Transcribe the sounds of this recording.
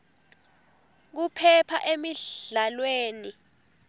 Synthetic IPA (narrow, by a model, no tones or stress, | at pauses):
k̬upʰɛpʰa̰ʔemialweːni